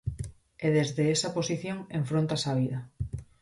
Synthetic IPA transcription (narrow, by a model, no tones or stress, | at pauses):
eðezðeesɐposiθjoŋeɱfɾõnt̪asaβ̞iðɐ